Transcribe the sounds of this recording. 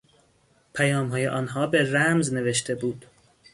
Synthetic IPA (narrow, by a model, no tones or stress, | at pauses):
pʰæjɒːmɦɒːjḛʔɒːnɦɒːbeɾæmzne̞ve̞ʃt̪ʰe̞buːd̪̥